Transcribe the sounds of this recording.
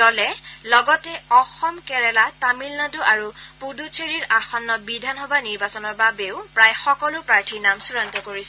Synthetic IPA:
dɔlɛlɔɡɔtɛɔxɔmkɛɹɛlatamilnaduʔaɹupudut͡sʰeɹiɹaxɔnːɔbidʱanɦɔbaniɹbasɔnɔɹbabeʊpɹajxɔkɔlʊpɹaɹtʰinamsuɹantɔkoɹisɛ

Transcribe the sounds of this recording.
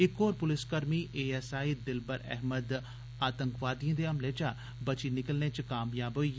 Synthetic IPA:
ɪkoːɾpʊlɪskəɾmiʔeːɛːsaːid̪ɪlbəɾɛ̰ɦməd̪ | aːt̪ə̃ŋkʋaːd̪ijãːd̪eɐmleːt͡ʃa | bət͡ʃinɪkəlnet͡ʃkaːmjaːbɦoi

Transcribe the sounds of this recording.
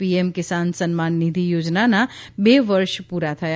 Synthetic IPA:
piemkɪsansənmanːid̪ʱijoːd͡ʒnanabeʋəɾʃpuɾat̪ʰəja

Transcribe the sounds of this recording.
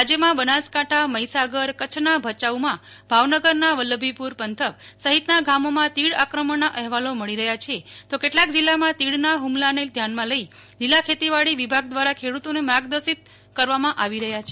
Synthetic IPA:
ad͡ʒjəmãbənaskaʈʰaməjsaɡəɾkət͡ʃʰnabʱət͡ʃaumãbʱaʋnəɡəɾnaʋəlːəbʱipuɾpənt̪ʰəksəɦit̪naɡamomãt̪iɽakɾəmənaʔəɦʋaloməɭiɾəɦjat͡ʃʰet̪okeʈlak̚d͡ʒilːamãt̪iɽnaɦumlaned̪ʱjanmãləi | d͡ʒilːakʰet̪iʋaɽiʋibʱaɡ̚d̪ʋaɾakʰeɽut̪onemɾaɡd̪əsit̪̚ | kəɾʋamãʔaʋiɾəɦjat͡ʃʰe

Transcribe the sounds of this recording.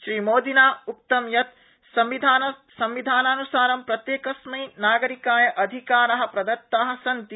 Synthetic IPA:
ʃɾiːmoːd̪inaːuk̚t̪ɐmjɐt̪ | sɐmʋid̪ʱaːnɐsɐmʋid̪ʱaːnaːnusaːɾɐmpɾɐt̪jeːkɐsmɐjnaːɡɐɾikaːjɐʔɐd̪ʱikaːɾɐɦɐ̆pɾɐd̪ɐɾt̪ːaːɦɐ̆sɐnt̪i

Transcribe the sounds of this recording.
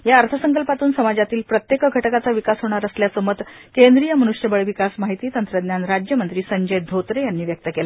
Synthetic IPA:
jaəɾt̪ʰəsəŋkəlpat̪uːnsəmad͡ʑat̪iːlpɾət̪jekəɡʱəʈkat͡saʋikasɦoɽ̃aɾəsljasəmət̪ | kẽnd̪ɾijəmənuʂjəbəɭʋikasmaɦit̪iːt̪ənt̪ɾəd̪njanɾad͡ʑjəmənt̪ɾiːsəɲd͡ʑəjd̪ʱot̪ɾejanːiːʋjək̚t̪əkela

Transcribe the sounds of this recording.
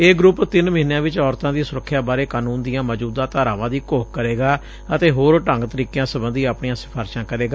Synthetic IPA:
eːɡɾʊpt̪ɪnməɦiːnjãːʋɪt͡ʃɔːɾt̪ãːd̪iːsʊɾəkʰːɪjaːbaːɾeːkaːnuːnd̪ijãːməːd͡ʒuːd̪ãːt̪aːɾaːʋãːd̪iːkoːkkəɾeːɡaː | ət̪eːɦoːɾʈə̃ŋɡt̪əɾiːkejãːsəbənd̪iːaːpɳijãːsɪ̥pʰaːɾʃãːkəɾeːɡaː

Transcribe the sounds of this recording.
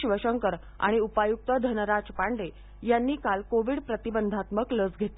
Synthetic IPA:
ɕʋəɕəŋkəɾ | a̰ɽ̃iupajuk̚t̪əd̪ʱənəɾad͡zpaɳɖe | janːiːkalkoʋiɽpɾət̪ibənd̪ʱat̪məklət͡sɡʱet̪

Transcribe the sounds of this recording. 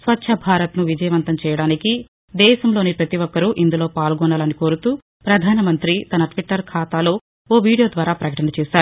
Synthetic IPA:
sʋɐtːʃʰɐbʱaːɾɐt̪nuʋid͡ʒɐjɐʋɐnt̪ɐmt͡ʃɛːjɐɽaːniki | d̪ɛːʃɐmlo̞ːnipɾɐt̪iʋɔkːɐɾuʔind̪ulo̞ːpaːlɡɔnːɐːlɐniko̞ːɾut̪uː | pɾɐd̪ʱaːnɐmɐnt̪ɾit̪ɐnɐʈʋiʈːɐɾkʰaːt̪aːlo̞ː | oːʋiːɽijo̞ːd̪ʋaːɾaːpɾɐkɐʈɐnɐt͡ʃɛːsaːɾu

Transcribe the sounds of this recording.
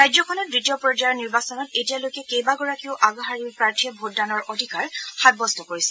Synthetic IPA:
ɹajzɔkʰɔnɔt̚bɹitijɔpɹɔd͡ʒajɔɹniɹbasɔnɔtetijalojkɛkejbaɡɔɹakiʊʔaɡɔɦaɹiɹpɹaɹtʰiɔbʱotdanɔɹʔodʱikaɹxad̚bɔstɔkoɹisɛ

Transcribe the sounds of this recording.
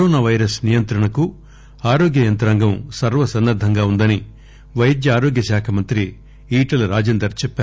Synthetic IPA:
ɔːnaːʋɐjɾɐsnijɐnt̪ɾɐɳɐku | aːɾoːɡjɐjɐnt̪ɐɾaːŋɡɐmsɐɾʋɐsɐnːɐɾd̪ʱɐŋɡaːund̪ɐni | ʋɐjɐd̪jɐaːɾoːɡjɐʃaːkʰɐmɐnt̪ɾi | iːʈɐlɐɾaːd͡ʒeːnd̪ɾɐɾt͡ʃɛpːaːu

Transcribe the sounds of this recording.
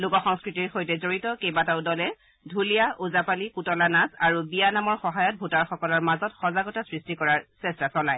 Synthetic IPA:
lʊkɔxɔŋskɹitiɹxojtɛzoɹitɔkejbataʊdɔlɛ | dʱulijaʔuzapalikutɔlanasaɹubijanamɔɹxɔɦajɔt̚bʱutaɹxɔkɔlɔɹmazɔtxɔzaɡɔtasɹistikɔɹaɹsɛstasɔlaj

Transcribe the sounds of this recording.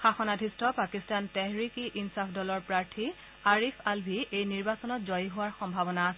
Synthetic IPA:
xaxɔnadʱistɔpakistantɛɦɹikiʔinsapʰdɔlɔɹpɹaɹtʰi | aɹipʰalbʱiʔejniɹbasɔnɔtzɔjɦʊwaɹxɔmbʱabɔnaːsɛ

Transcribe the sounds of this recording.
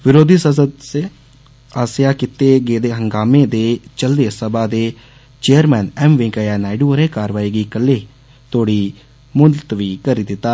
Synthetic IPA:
ʋɪɾoːd̪ʱiːsəs̬əd̪se | aːsɪjaːkɪt̪eːɡeːd̪eːɦəŋɡaːmeːd̪eːt͡ʃəld̪eːsəbaːd̪eː | t͡ʃeːəɾmɛːnɛːmʋɪ̃ŋkajaːnaːɪɖuɾẽːkaːɾʋaːiːɡiːkəlːeː | t̪oːɽiː | mʊnt̪ʋiːkəɾiːd̪ɪt̪ːaː

